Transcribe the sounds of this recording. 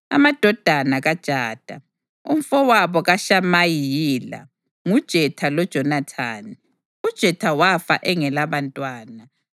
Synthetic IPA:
a̰mad̥ʱɔd̥ʱanaɣad̥ʒ̥ʱaːd̥ʱa | um̩fɔwaβɔɣaʃamajijila̰ | ŋud̥ʒ̥ʱɛtʰalɔd̥ʒ̥ʱɔnatʰaːni | ud̥ʒ̥ʱɛtʰawafa̰ʔɛŋɛlaβantʼwaːna

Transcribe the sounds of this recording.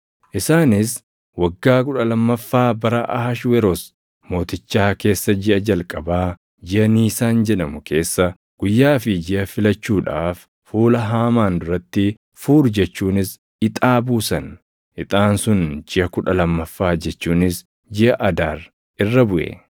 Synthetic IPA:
ʔɪsaːnɪs | wɐɡːaːk̬ʊᶑɐlɐmːɐfːaːbɐɾɐʔɐhɐʃwɛɾɔs | mo̞ːt̪ɪt͡ʃːaːke̞ːsːɐd͡ʒɪʔɐd͡ʒɐlkʼɐbaː | d͡ʒɪʔɐniːsaːnd͡ʒɛᶑɐmʊkʰe̞ːsːɐ | ɡ̥ʊjːaːfɪd͡ʒɪʔɐfɪlɐt͡ʃːuːᶑaːf | fuːlɐɦaːmaːnd̪ʊɾɐt̪ːɪ | fuːɾd͡ʒɛt͡ʃːuːnɪs | ɪt̪ʼaːbuːsɐn | ʔɪt̪ʼaːnsʊnd͡ʒɪʔɐkʊᶑɐlɐmːɐfːaːd͡ʒɛt͡ʃːuːnɪs | d͡ʒɪʔɐʔɐd̪aːɾ | ɪrːɐbʊʔḛ

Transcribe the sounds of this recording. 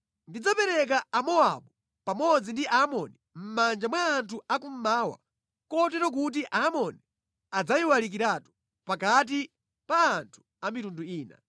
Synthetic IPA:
ndid͡zapɛɾɛk̬aːmɔa̰ɓu | pamɔd͡zindiʔamɔni | m̩mand͡ʒamwaːntʰuakum̩maːwa̰ | kɔtɛɾɔk̬ut̬iʔamɔni | ad͡zajiwalik̬iɾatu̥ | pakat̬i | paːntʰu̥ | amitunduiːna̰

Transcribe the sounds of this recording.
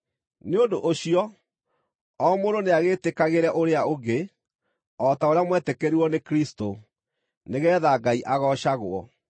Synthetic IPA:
neodoʔoɕiɔ | ɔmoɾoneaɣetekaɣeɾɛʔoɾeaoɡe | ɔtaoɾeamwɛtekɛɾiwɔnekɾisto | neɣɛːðaːɡaiʔaɣɔɕaɣoɔ

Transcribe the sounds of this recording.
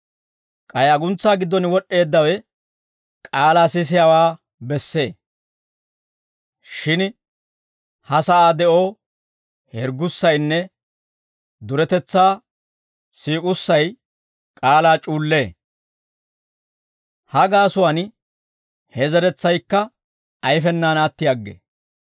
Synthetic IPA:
kʼɐjɐɡʊnt͡sːaːɡɪd̪ːɔnwɔʔːe̞ːd̪ːɐwɛ | kʼaːlaːsɪs̬ɪjawaː | bɛsːe̞ː | ʃɪn | hɐsɐʔaːd̪ɛʔoː | hɛɾɡʊsːɐjnːɛ | d̪ʊɾɛt̪ɛt͡sːaː | siːkʼʊsːɐj | kʼaːlaːt͡ʃʼuːlːe̞ː | hɐɡaːsʊwan | hɛzɛɾɛt͡sːɐjkːɐ | ɐjfɛnːaːnaːt̪ːɪjaɡːḛ

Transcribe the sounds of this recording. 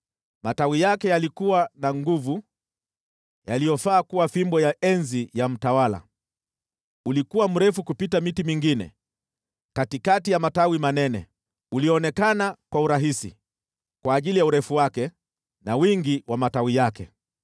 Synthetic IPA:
matawijakɛjalikuwanaŋɡuvu | jalijɔfaːkuwafimbɔjaʔɛnzijam̩tawala̰ | ulikuwam̩ɾɛfukupitamitimiŋɡinɛ̰ | katikatijamatawimanɛnɛ̰ | uliɔɔnɛkanakwauɾaɦisḭ | kwaːʄilijauɾɛfuwakɛ | nawiŋɡiwamatawijakɛ̰

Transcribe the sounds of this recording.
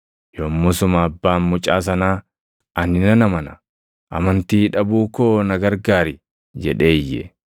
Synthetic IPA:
joːmːʊsʊmɐːbːaːmmʊt͡ʃʼaːs̬ɐnaː | ʔɐnːɪnɐnɐmɐnɐ | ʔɐ̰mɐnt̪iːᶑɐbuːkoːnɐɡɐɾɡaːɾɪ | d͡ʒɛᶑe̞ːjːɛ̰

